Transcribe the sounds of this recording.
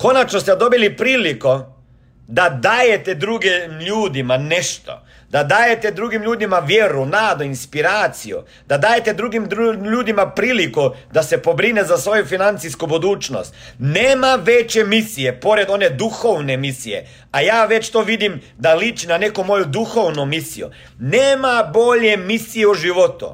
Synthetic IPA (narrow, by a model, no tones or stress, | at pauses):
ko̞nat͡ʃnost̪ed̪o̞bilipɾiːliko̞ | d̪ad̪aːjet̪ed̪ɾuɡimʎuːd̪imane̞ʃt̪o̞̰ | d̪ad̪aːjet̪ed̪ɾuɡimʎuːd̪imaʋjeɾunaːd̪oinspiɾaːt̪sijṵ | d̪̥ad̪aːje̞t̪ed̪ɾuɡimuʎuːd̪imapɾiːlikud̪ase̞po̞bɾinezasʋo̞jufinant̪siskubod̪uːt͡ʃno̰st̪neːmaʋet͡ɕemisije̞po̞ɾe̞d̪o̞ne̞d̪uxoʋne̞misije̞̰ | ajaːʋe̞t͡ɕt̪o̞ːʋid̪im | d̪alit͡ʃinane̞komo̞jud̪uxo̞ʋnomisḭjṵ | neːmabo̞ʎe̞misijeuʒiʋo̞t̪ṵ